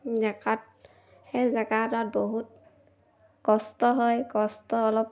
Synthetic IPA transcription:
zɛkat̚ | hezɛkatat̚boɦut̚ | kɔstɔɦɔjkɔstɔːlɔp̚

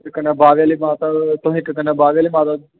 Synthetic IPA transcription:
kənaːbaːʋjaːlimaːt̪at̪õːɦɪkːkənaːbaːʋjaːliːmãːt̪a

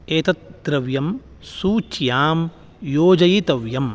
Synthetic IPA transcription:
eːt̪ɐt̪̚d̪ɾɐʋjɐm | suːt͡ʃjaːm | joːd͡ʒɐjit̪ɐʋjɐm

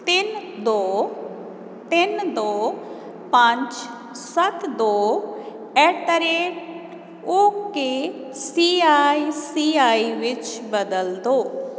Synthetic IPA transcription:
t̪ɪnd̪o | t̪ɪnd̪oː | pãɲt͡ʃ | sət̪d̪oː | ɛʈəɾeːʈ | oke | siaːisiːaːiʋɪt͡ʃbəd̪əld̪oː

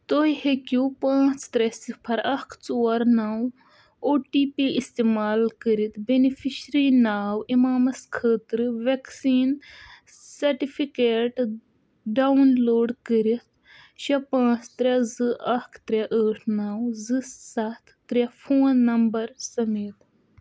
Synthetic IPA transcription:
t̪oihekupãːt͡st̪ɾɛsipʰɐɾɐkʰt͡soːɐɾnaːw | oːʈiːpiist̪eːmaːlkəɾit̪benifʰiʃɾiːnaːwimaːmɐskʰəːt̪ɾɨʋeksiːn | sɐɾʈifʰikeːʈ | ɖawnloːɖkəɾit̪ | ʃɐpãːt͡st̪ɾʲɛzɨʔɐkʰt̪ɾɛʔəːʈʰnaːwzɨsɐt̪ʰːɾʲɛfʰoːnːɐmbɐɾsɐmeːt̪

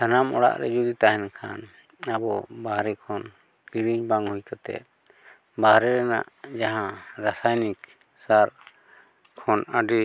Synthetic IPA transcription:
t̪anamɔɽa̰ʔɾɛ̰d͡ʒud̪it̪aɦɛnkʰa̰n | abɔbaɦɾɛkʰɔn | kiɽiɲbaŋhujkat̪ɛ̰t̪̚ | bahɾɛɾɛna̰ʔd͡ʒaɦãɾasajnik | saɾ | kʰɔnaɖi

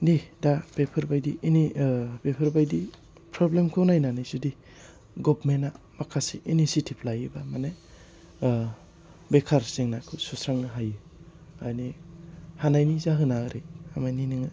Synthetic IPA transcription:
didabepʰɯɾbajdinibepʰaɾbajdi | pʰɾɔblemkʰɯwnajnanizudi | ɡɔbmenːa | makʰasiʔinisitʰiplajɯbamane | bekʰaɾseŋnakʰɯsusɾaŋnaɦajɯ | a̰jnihanajnizaɦɯnaɾeamajniniŋa

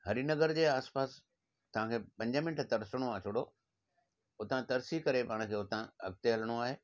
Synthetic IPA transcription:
hɐɾinɐɡəɾd͡ʑeːaːspaːs | t̪ɐʋ̤ãkʰeːpɐ̃ɲd͡ʑəmɪ̃nʈʰt̪ɐɾsəɽ̃oaːt͡ɕʰoːɽo | ʊt̪ãt̪ɐɾsikɐɾepaːɽ̃̆kʰeːʊt̪ãɦɐ̰ɡ̚t̪eɦɐləɽ̃oaːɦeː

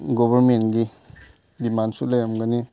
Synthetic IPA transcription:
ɡobaɾmenɡi | dimansulajɾamɡani

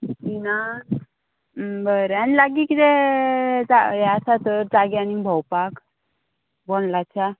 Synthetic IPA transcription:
tina | bəɾanilaɡikid̪ɛ | d͡zaeasat̪əɾd͡zaɡjanibʱɔwpak | bɔnlat͡ɕa

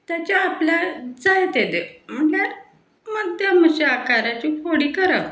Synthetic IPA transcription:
t̪jat͡ɕaːpljad͡zajt̪ed̪em̤əɳaɾ | məd̪jaməɕeakaɾat͡ɕiːfoɽiːkəɾaʋ

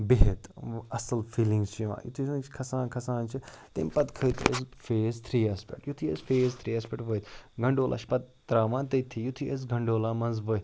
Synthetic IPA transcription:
beɦet̪ɐsɐlfiːlĩŋɡzt͡ʃʰũʋã̰ːjṵt̪ʰisnt͡ʃʰkʰɐsãːnkʰɐsãːnt͡ʃʰit̪ḛmpɐt̪kʰɐjt̪ʰḛzfeːzt̪ʰɾiːaːspḛk̚ʈjut̪ʰiḛzfeːzt̪ʰɾiːaːspeʈʋəjt̪ɡɐɳɖoːlʔa̰ːt͡ʃʰpɐt̪̚ːɾaːʋãːnt̪ɐt̪ʰijut̪ʰies̬ɡʱɐɳɖoːlaːmɐnzbə

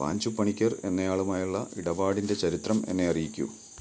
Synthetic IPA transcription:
a̰ːɲd͡ʑupːɐɳikʲːɐre̞nːɐjaːɭumaːjuɭːɐiɽɐʋaːɽinde̞t͡ɕɐɾit̪rɐme̞̰nːe̞ɐrijikʲːṵ

